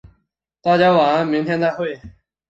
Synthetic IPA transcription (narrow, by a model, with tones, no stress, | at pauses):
t̪a˥˨t͡ɕja˥wa˨˥mi˧˥ŋt̪ʰjɛ˥nt̪a˥˨xwe˥˩ɪ